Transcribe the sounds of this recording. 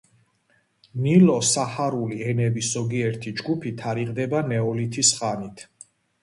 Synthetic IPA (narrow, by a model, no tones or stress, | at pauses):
nilɔsaχaɾuliɛnɛbiszɔɡiɛɾt̪ʰid͡ʒɡupʰit̪ʰaɾiʁd̪ɛbanɛɔlit̪ʰisχanit̪ʰ